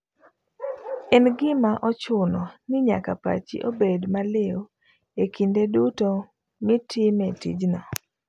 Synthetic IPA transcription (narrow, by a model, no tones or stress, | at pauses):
ɛnɡɪmaʔɔt͡ʃʊnɔnɪɲa̰kapa̰t͡ʃḭʔobedmalɪo | ekindeduto | mitʰimɛtḭd͡ʒnɔ